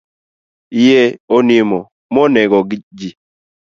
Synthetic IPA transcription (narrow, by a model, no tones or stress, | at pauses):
ijeonimɔ | mɔnɛɡɔɡid͡ʒi